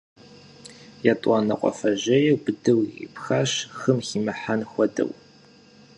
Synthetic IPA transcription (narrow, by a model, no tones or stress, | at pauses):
jatʼɑːnɐqʷʼɔ̰fɐʑɐjɛwbɨdɨwjḭpxaɕxɨmxiːmɐħanxʷɔdɐ̰w